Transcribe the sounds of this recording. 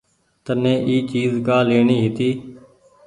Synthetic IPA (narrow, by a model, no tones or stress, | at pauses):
t̪ənẽːʔiːt͡ʃiːzkaːleːɳiːɦɪt̪iː